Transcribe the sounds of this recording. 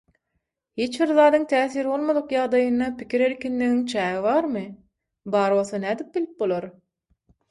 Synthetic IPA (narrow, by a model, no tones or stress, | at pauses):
hit͡ʃbiɾðɑːd̪ɯŋt̪ʰæːθiːɾbo̞lˠmod̪uqjɑʁd̪ɑjɯnːɑpikʰiɾeɾkʲinliɣiŋt͡ʃʰæːɣiβɑːɾmɯ | bɑːɾβoθɑnæːd̪ip̚bilip̚bolˠoɾ